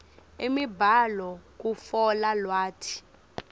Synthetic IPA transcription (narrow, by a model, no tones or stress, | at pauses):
emibʱalɔk̬ufɔlalwaːtʰi̥